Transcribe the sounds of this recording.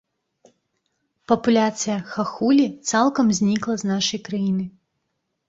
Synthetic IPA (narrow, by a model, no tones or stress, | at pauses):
pɐpulʲat̪sɨjɐxaxulʲit̪salˠkɐmzʲnʲiklˠɐznaʂɐjkɾajinɨ